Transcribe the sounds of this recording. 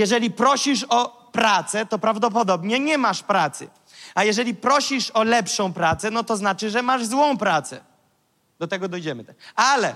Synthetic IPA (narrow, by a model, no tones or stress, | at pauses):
jɛʐɛlʲipɾɔɕiʂɔ | pɾat̪sɛt̪ɔpɾavd̪ɔp̬ɔd̪ɔbɲɛɲɛmaʂpɾat̪sɘ̰ | ajɛʐɛlʲipɾɔɕiʂɔlɛpʂɔ̃w̃pɾat̪sɛnɔt̪ɔznat͡ʂɘʐɛmaʐzwɔ̃w̃pɾat̪sɛ̰ | d̪̥ɔt̪ɛɡɔd̪ɔjd͡ʑɛmɘt̪ɛalɛ